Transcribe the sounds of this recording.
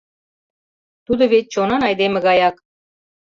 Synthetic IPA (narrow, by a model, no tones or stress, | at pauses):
t̪ud̪ɤ̆βet̪̚t͡ɕonɑnɑjd̪emɘ̆ɣɑjɑk